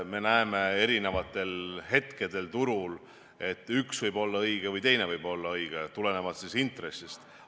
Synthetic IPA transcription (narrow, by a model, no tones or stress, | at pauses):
me̞næeme̞e̞ɾine̞vɑt̪ːˑe̞lɦe̞t̪ke̞d̪e̞lt̪uɾul | e̞t̪ːˑyksvɤjbo̞lːɑɤjɡ̥evɯjt̪e̞jne̞vɯjbo̞lːɑɤjɡ̥et̪ule̞ne̞vɑt̪sisint̪re̞sːist̪